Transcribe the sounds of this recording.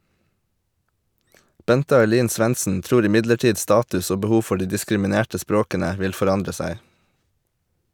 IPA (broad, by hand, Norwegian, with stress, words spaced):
ˈbɛntə ɑɪˈliːn ˈsʋɛnsn̩ ˈtɾuːɾ ɪˈmɪdləˌʈiːd ˈstɑːtʉs ˈoː bəˈhuː ˈfɔ ˈɖiː dɪskɾɪmɪˈneːʈə ˈspɾoːkənə ˈʋɪl fɔˈɾɑndɾə ˈsæɪ